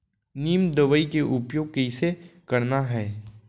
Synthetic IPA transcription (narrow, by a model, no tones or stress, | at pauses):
niːmd̪əʋəikeʔʊpjoːɡ̚kɐɪsekɐɾnaɦɛː